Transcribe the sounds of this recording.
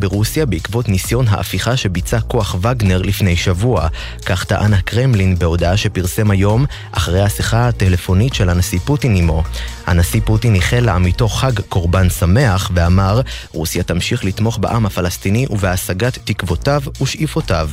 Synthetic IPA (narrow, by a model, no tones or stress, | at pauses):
beʁusjabeikvo̞tnisjo̞nɦa̰ʔa̰fiχaʃe̞bit͡sako̞aχvaɡne̞ʁlifne̞jʃavua | kaχtaʔanakʁemlinbe̞o̞daaʃe̞piʁse̞majo̞m | ʔaχaʁejhasiχaatele̞fo̞nitʃe̞lanasiputinimo̞ha̰nasiputiniχelaamito̞χːaɡko̞ʁbansame̞aχveamaʁ | ʁusjatamʃiχlit̪mo̞χbaʔamhafalastiniʔuveasaɡat̪ːikvo̞tavuʃʔifo̞tav